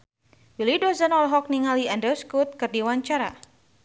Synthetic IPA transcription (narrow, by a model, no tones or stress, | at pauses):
wilidɔzanɔlɦɔk̚niŋaliandɛskut̪̚kɨrdiwaɲt͡ʃaɾa